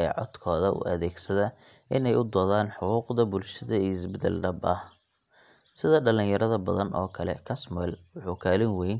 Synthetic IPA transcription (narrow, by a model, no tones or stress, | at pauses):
ʕɔd̪kʰɔːðɐʔʊ̰ʔɐ̰ðɛːɡsɐðɐʔɪnɛjʊd̪ɔːðaːnħʊquːqd̪ɐbʊlʃɐðɐhɪsbɪd̪ɛ̰lɖɐbɐh | sɪðɐɖɐlɪ̃ŋjɐɾɐðɐbɐðɐnʔɔ̰ːkʰɐlɛ̰kʰɐsmɛlwʊħukʰaːlɪnwɛjn